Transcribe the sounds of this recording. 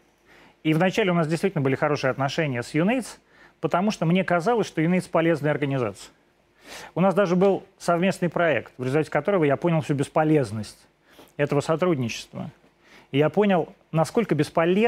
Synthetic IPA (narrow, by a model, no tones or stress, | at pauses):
ivnɐt͡ɕælʲɪʊnasdʲɪst̪vʲitʲɪlʲnbɨlʲɪxɐɾo̞ʂɨəɐt̪nɐʂɛnʲɪjəsjʊnejt̪s | pət̪ɐmuʂt̪omnʲekɐzalˠəsʲʂt̪ojʊnejt̪spɐlʲe̞znəjəɐrɡənʲɪza̰t̪sɨ̥ə | ʊnasd̪aʐɨbɨlˠsɐvmʲe̞snɨjpɾɐɛkt̪vɾʲɪzʊlʲt̪atʲɪ̥kɐt̪o̞ɾəvəjaponʲɪlˠfsʲubʲɪspɐlʲe̞znəsʲtʲ | ɛt̪əvəsɐt̪ɾudʲnʲɪt͡ɕɪ̥st̪və̰ | ɪjapo̞nʲɪlˠ | nɐsko̞lʲkəbʲɪspɐlʲe